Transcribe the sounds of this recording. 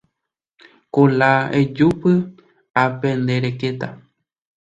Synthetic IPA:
kolaed͡ʒupɨ | apẽnd̪eɾeket̪a

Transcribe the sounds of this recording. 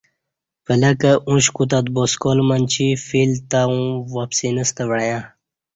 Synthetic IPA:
pələkəʔũɕkut̪̬at̪̚boskolmant͡ɕʰifilt̪aũwapsinəst̪əʋəɽjã

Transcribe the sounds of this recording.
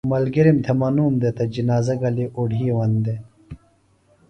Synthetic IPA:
mɐlɡiɾimt̪ʰemɐnuːmd̪et̪ɐd͡ʑinaːzɐɡɐliʔuɽʱiːwɐnd̪e

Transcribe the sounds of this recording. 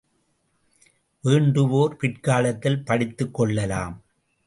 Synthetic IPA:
ʋeːɳɖɯʋoːɾpɪʈkaːlɐt̪ːɪlpɐɽɪt̪ːɯkːɔɭːɐlaːm

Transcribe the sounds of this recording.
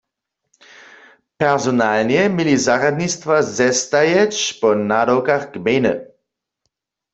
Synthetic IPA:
pɛʁzɔnalnjɛmjilizaʁad̪nist̪vazɛst̪ajɛt͡ʃpɔnadowkaxɡmejnə̰

